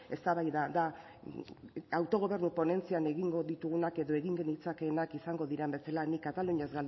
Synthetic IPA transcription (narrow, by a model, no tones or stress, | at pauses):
e̞st̪aβajðad̪a | awt̪o̞ɣ̞o̞β̞e̞ɾnupo̞ne̞nt͡siane̞ɣiŋɡo̞ðit̪uɣunake̞ðo̞e̞ɣiŋɡe̞nit͡sake̞ːnakisaŋɡo̞ðiɾembe̞salanikat̪aluɲazɣal